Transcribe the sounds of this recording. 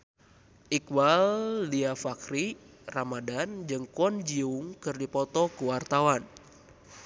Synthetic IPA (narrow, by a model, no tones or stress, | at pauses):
ʔikwalːiafakɾi | ramadand͡ʒɨŋkɔnd͡ʒiuŋkɨrdipɔt̪ɔkuwart̪awan